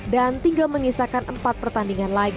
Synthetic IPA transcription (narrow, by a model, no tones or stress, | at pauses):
dant̪iŋɡalməŋisakanʔəmpat̪̚pərt̪andiŋanla